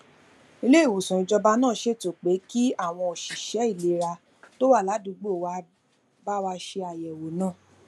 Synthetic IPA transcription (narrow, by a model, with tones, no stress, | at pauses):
i˦˧le˦˨wo˨sũ˨ĩ˨˧d͡ʒɔ˧ba˧nãː˦˨ʃe˦˨to˨k͡pe˨˦ki˦a˦˨w̃ɔ̃˧o˨ʃi˨ʃɛ˨˦i˦˨le˨˦ɾa˧ | to˦wa˦˨la˨˦du˨˦ɡ͡bo˦˨wa˧ | ba˦wa˧ʃe˧a˨jɛ˨wo˨˦nãː˦˨